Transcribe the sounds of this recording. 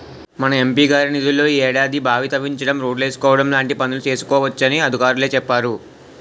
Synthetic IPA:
mɐnɐe̞mpiːɡaːɾinid̪ulːo̞ːiːɛːɽaːd̪ibʱaːʋit̪ɐʋiɲt͡ʃɐɽɐmɾoːɖle̞ːsu̥kɔːʋɐɽɐmlaːɳʈipɐnulut͡ʃe̞ːsu̥kɔːʋɐt͡ʃːɐniɐd̪ʱikaːɾule̞ːt͡ʃɛpːaːɾu

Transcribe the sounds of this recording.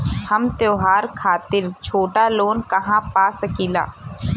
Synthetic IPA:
hɐmt̪joːɦaːɾkʰaːt̪ɪɾt͡ʃʰoːʈaloːnkɐɦãpaːsɐkiːla̰ː

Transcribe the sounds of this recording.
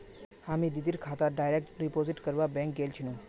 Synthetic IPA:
amĩd̪id̪iɾkʰat̪aɖajɾek̚ʈɾipoziʈkəɾʋabɛ̃ŋk̚ɡelt͡ʃʰinũ

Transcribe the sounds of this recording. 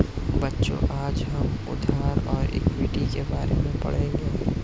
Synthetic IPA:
bətːʃõ̰ʔaːd͡ʒɦəmʊ̰d̪ʱaːɾɔːɾḛkbiːʈikebaːɾemẽpɐ̰ɽ̤ẽŋɡe

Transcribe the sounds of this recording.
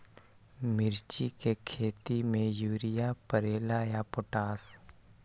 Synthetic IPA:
mɪɾt͡ʃikekʰeːt̪imẽjuːɾɪjapəɾeːlajapʊʈaːs

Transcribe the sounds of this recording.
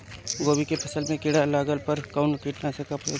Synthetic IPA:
ɡoːbikepʰɐsəlmẽkɪɽalaːɡəlpəɾkaʊnkiːʈnasekapoː

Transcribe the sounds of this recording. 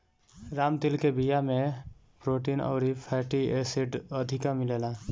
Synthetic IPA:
ɾaːmt̪ɪlkebijamẽ | pɾoːʈinɔ̰ːɾipʰɛːʈieːsiɖəd̪ʱɪkamɪleːla

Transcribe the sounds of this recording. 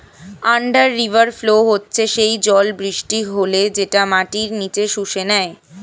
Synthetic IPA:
aɳɖaɾːibaɾfloɦotːɕʰeʃejd͡ʑɔlbɾiʃʈiɦoled͡ʑeʈamaʈiɾnit͡ɕeʃuʃenɛe

